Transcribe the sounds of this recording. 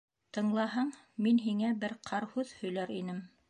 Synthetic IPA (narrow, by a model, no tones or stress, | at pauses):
t̪ɤ̆ɴlˠɑɦɤɴminɦiŋæbɘɾqʰɑɾhʉðhɵ̆jlæɾinɘm